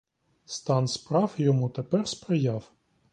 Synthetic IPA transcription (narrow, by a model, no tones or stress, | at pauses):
st̪ɑnspɾɑwjɔmut̪epɛrspɾɪjɑw